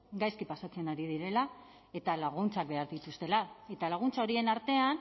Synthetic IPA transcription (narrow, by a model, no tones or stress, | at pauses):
ɡajskipasat͡se̞naɾið̞iɾe̞la | e̞t̪alaɣ̞unt͡sak̚be̞aɾðit̪ust̪e̞lae̞t̪alaɣ̞unt͡sao̞ɾie̞naɾt̪e̞an